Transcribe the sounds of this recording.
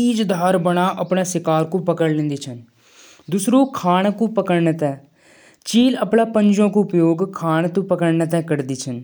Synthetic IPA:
iːd͡ʒd̪ʱaːɾbəɽ̃aːʔəpɳaːsɪkaːɾkũːpəkəɽlɪ̃nd̪iːt͡ʃʰən | d̪ʊsɾuːkʰaːɳkũːpəkəɾnt̪ɛː | t͡ʃiːləpɳaːpəɲd͡ʒõːkũʊpjoːɡkʰaːɳt̪ũːpəkəɾɳət̪̬ɛ̃ːkəɾd̪iːt͡ʃʰən

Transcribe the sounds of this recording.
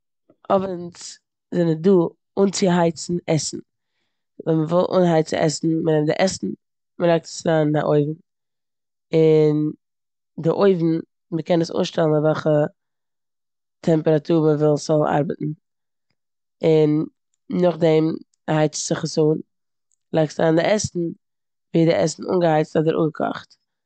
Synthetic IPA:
ɔvənt͡s | zɛnəduː | uːnt͡sɪɦaɪt͡sn̩ɛsn̩ | vɛnməvɪlˠʔṵːnɦaɪt͡sɪ̰ʔɛ̰sn̩mənɛmdɪ̰ʔɛsn̩ | məɾaɪk̚tə̥sɾaːnːa̰ʔoɪvn̩ | ɪn | dɪʔoɪvn̩ | məkʰɛnəsṵːnʃtɛlˠn̩avɛlˠχə | tʰɛmpəɾatʰuːɾməvɪlˠsɔlˠa̰ɾbətn̩ | ɪn | nʊχdɛm | haɪt͡sz̥ɪχəsuːn | əlˠaɪk̚tɾaːndɪʔɛsn̩ | viːdɪʔɛ̰sn̩ṵːnɡəhaɪt͡stɔdəɾʔṵːŋɡəkʰɔ̰χt

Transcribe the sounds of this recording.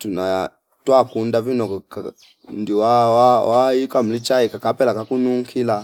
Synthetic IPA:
tuna | twakundavinɔka | ndiwawawaikwam̩lit͡ʃaikakapɛlakakunuŋkʰila

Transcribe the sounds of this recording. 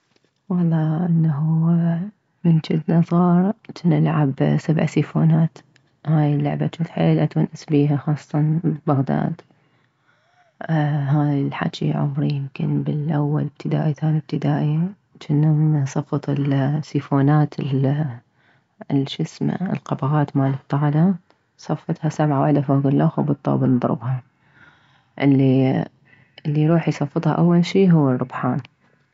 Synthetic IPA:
wɑlˤːɑːʔɪnːaɦu | mɪnd͡ʒɪd̪nɑzˤɑːɾˤt͡ʃnɪlʕabsabʕsifoːnaːt̪ | haːjɪlːʊʕbaʃuːfħeːlʔat̪wanʔasbiːɦaxɑːsˤːɑt̪ɑnbaɣd̪a̰ːd̪ | ɦaːjɪlħa̰t͡ʃḭʕʊ̰mɾijɪmkɪnbɪlʔawːa̰lɪb̥̚t̪ʰɪd̪a̰ːʔit̪aːnib̚t̪ɪd̪aːʔi | t͡ʃɪnːasˤɑfːɑt̪ˤɪlsifoːnaːt̪ʰɪ | lʃɪsma̰ɪlqɑbɣaːt̪maːlɪb̚t̪ɑɣad̪a | sˤɑfːɨt̪ˤhɑsabʕawaħd̪afaɡʊlːʔaxubɨt̪ˤːɑ̰ːbɪlnd̪ˤɾɨ̰bhɑ | ʔɪlːi | ʔɪlːiɾuːħjsˤɑfːɨt̪ˤhɑ̰ʔawːalʃiːɦʊwːɪrˤːʊbħaːn

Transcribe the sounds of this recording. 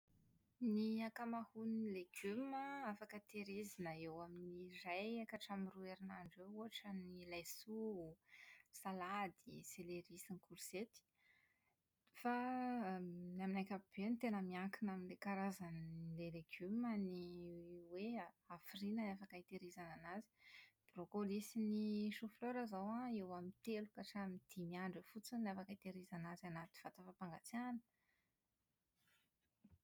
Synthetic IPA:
niakamahunileɡ̥yməafakət̪eɾezanəewaminirajakaʈ͡ʂamirueɾinaɳɖ͡ʐewuaʈ͡ʂənilajsu | salad̪iseleɾisinikulu̥set̪i̥ | fa | naminajkʲab̥enit̪enəmiaŋkinaminlekaɾazanleleɡ̥yməniwe | afirinənafakait̪eɾizananazi̥b̥rokolisiniʃufløɾazawãewamint̪elukaʈ͡ʂamid̪̥imiaɳɖ͡ʐəfut͡sanafakit̪eɾizanazanat̪u̥fat̪afapaŋɡat͡sanə

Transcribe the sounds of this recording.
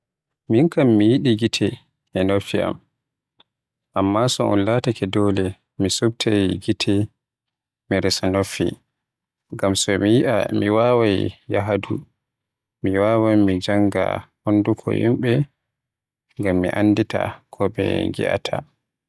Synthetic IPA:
miŋkamːijiɗiɡitʰɛ | ʔɛnofiʔa̰m | ʔamːasɔʔṵnlatakɛdɔːlɛ | misub̚tʰajɡitʰɛ | miɾɛsanofḭ | ŋɡamsɔmijiʔamiwawajjaɦadṵ | miwawajmid͡ʒaŋɡa̰hondukʰɔ̰hḭmɓɛ | ŋɡamːḭʔa̰nːdita̰kʰɔbɛ̰ŋɡḭʔa̰tʰa̰

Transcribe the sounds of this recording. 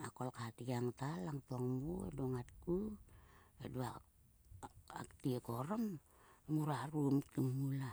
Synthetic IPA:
akolkatiɡaŋtalaŋtoŋmuḛdoŋat̚ku | ḛdua | a̰ktiekoɾom | muɾaɾumtiŋːula

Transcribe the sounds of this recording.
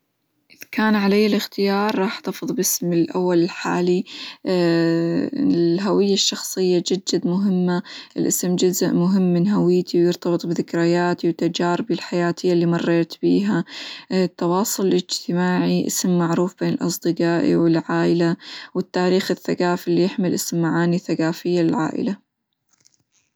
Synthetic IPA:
ʔkaːnʕalajːalɪxt̪ɪjɑːɾˤːɑːħt̪ɑfɨðˤbɪsmɪlʔa̰wːalɪlħa̰ːli | lɦawɪjːaʃːɑxsˤɨjːad͡ʒad͡ʒːad̪mʊɦɪmːaʔɪlʔɪsmd͡ʒʊzʔmʊɦɪmːɪnɦawɪjːt̪iwjɪɾt̪ɑbɨt̪ˤbɪðɪkɾajaːt̪iwt̪ːad͡ʒaːɾɪbɪlħajaːt̪ʰɪjːalːimɑrˤːeːt̪b̥iːɦa | t̪ːɑwɑːsˤʊlʔɪd͡ʒt̪ɪmaːʕiʔɪ̰smːaʕɾuːfb̥eːnɪlʔɑ̰sˤd̪ɨqɑːʔḭwɪlʕaːʔɪlawɪt̪ːaːɾiːxɪθːaɡaːfɪlːijɪħmɪlʔɪsmːaʕaːniθaɡaːfɪjːalɪlʕa̰ːʔɪ̰la

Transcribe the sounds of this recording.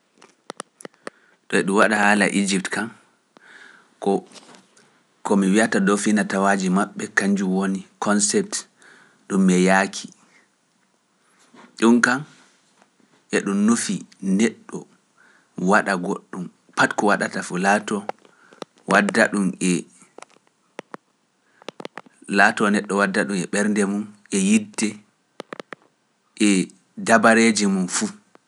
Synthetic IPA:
ɗɔɛɗumwaɗahaːla̰ʔid͡ʒiptkam | kɔ | kɔmiwiatadɔfinatawad͡ʒimaɓːɛkaɲd͡ʒumwonikʰɔnsɛp̚t | ɗumːɛjakʰi̥ | ɗumkam | ʔɛɗumnufinɛɗːɔ | waɗaɡoɗːum | patkɔwaɗatafulatɔ | wadaɗumɛ | latɔnɛɗːɔwadːaɗumɛɓɛɾndɛmunʔɛjidɛ | ʔɛ | dabaɾed͡ʒimunfu

